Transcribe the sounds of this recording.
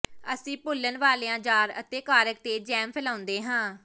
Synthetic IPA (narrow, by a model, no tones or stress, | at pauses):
əsĩːpʊlːənʋaːleːãːd͡ʒaːɾə̰t̪eːkaːɾək̚t̪eːd͡ʒɛːmpʰɛlaːʊ̃nd̪eːɦãː